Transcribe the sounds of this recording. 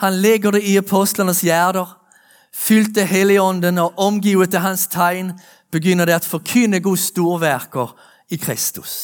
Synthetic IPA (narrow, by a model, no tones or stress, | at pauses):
hɑnlɛɡəd̪ɛɪɑpʰɔst̪lənəsjæːʁd̪əʁ | fʏlt̪əɦɛlːɪəɔnd̪ənɔʔɔmɡiːət̪əɦɑnst̪ʰɑɪn | b̥əɡjʏnːəʁd̪ɛat̪fɔʁkʰʏnːəɡust̪uːʁʋæʁkəʁ | ɪkʰʁɪst̪ʉ̰s